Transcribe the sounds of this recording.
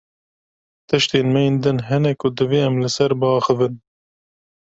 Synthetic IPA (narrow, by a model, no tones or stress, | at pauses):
t̪ʰɨʃt̪eːnmɛjeːnd̪ɨnɦɛnɛkʰʊd̪ɨveːɛmlɨsɛɾbɨɑːxɨvɨn